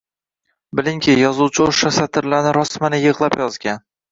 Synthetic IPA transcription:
bɪlɪŋkʲʰɪjɒzuwt͡ʃʰɪoʃasat̪ʰɪɾlaɾnɪɾɒsmanɪjɨʁlˠapjɒzɡʲan

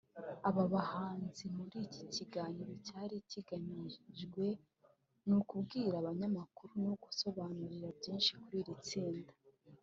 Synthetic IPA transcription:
aβaβahaːnzimuɾiciciɡaːɲiɾocaːɾiciɡaɲiʒɡwe̞ | nukubɡiːɾaβaɲamakuɾunuɡuso̞βaːnuɾiɾabɟiːnʃi̥kuɾiːɾit͡siːndḁ

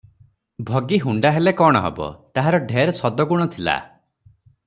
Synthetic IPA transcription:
bʱɔɡiɦuɳɖaɦelekɔɽ̃ɔɦḛbɔ̰t̪aɦaɾɔɖʱeɾsɔd̪ɔɡuɽ̃ɔt̪ʰila̰

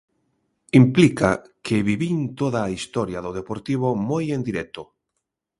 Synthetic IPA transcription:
implika̰kʰeβiβint̪oðaːist̪oɾjaðoð̞epoɾt̪iβ̞omojend̪iɾɛk̚t̪o

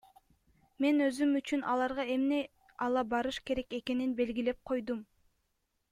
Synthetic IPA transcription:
me̞nø̞zymyt͡ʃynʔɑlˠɑɾʁɑe̞mne̞ | ɑlˠɑbɑɾɯʃke̞ɾe̞ke̞ke̞ninbe̞lɡile̞p̚qʰo̞jd̪um

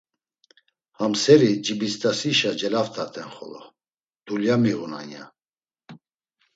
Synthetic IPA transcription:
hamsɛɾid͡ʒibist̪ʰʼasiʃad͡ʒɛlaft̪ʰat̪ʰɛnχɔ̰lɔ̰ | d̪̥uljamiɣuna̰nja̰

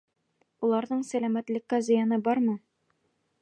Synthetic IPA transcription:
ulˠɑɾðɤɴsælæmæt̪lɘ̆kːæzɘ̆jɑnɤbɒɾmɤ

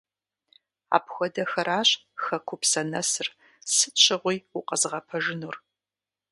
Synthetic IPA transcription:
a̰ːpxʷɔdɐxɐɾaːɕʼxɐkʷʰʊpsɐnɐsɨr | sɨɕʰʼɪʁʷijʊqɐzʁɐpʰɐʒɪnuːr

